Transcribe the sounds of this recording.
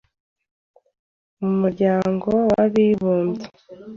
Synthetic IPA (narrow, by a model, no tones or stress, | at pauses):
uumuɾɟaːŋɡo̞wa̰βiβuːnza